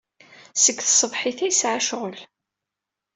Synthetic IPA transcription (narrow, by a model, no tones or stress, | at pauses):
səɡθsˤəvħɪθæjsʕaʃʁəl